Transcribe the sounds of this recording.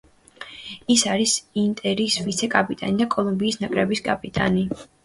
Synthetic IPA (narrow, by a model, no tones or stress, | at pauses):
isaɾisint̪ʼɛɾisvit̪sʰɛkʼapʼit̪ʼanid̪akʼɔlˠumbiːsnakʼɾɛbiskʼapʼit̪ʼa̰ni